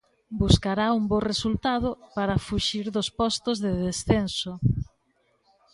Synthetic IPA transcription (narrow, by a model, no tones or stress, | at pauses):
buskaɾaumboresult̪aðʊpaɾafuʃiɾðʊspɔst̪ozðeðesθenso